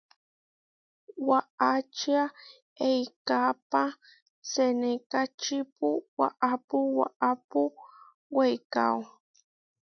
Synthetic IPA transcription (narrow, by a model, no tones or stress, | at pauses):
waʔat͡ʃia | ejkapa | senekat͡ʃipuwa̰ʔapuwa̰ʔapu | wejka̰w